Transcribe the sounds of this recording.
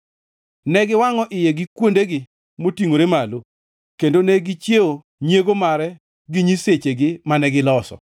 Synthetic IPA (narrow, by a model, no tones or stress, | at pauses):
nɛɡɪwaŋɔʔɪjeɡɪkwondeɡɪ | motiŋoɾemalo | kendonɛɡɪt͡ʃjeo | ɲjeɡomaɾɛ | ɡɪɲiset͡ʃeɡɪmanɛɡɪlɔsɔ̰